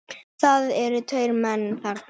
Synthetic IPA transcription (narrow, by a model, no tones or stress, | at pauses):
θaðɛɾʏt̪ʰœːɥɾmɛnːθaɾ